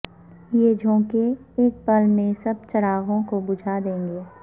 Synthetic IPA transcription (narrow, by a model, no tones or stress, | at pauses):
jeːd͡ʒʱõːkeeːk̚pəlmẽsɐb̚t͡ʃɐɾaːɣõkobʊd͡ʒʱad̪ẽːŋɡeː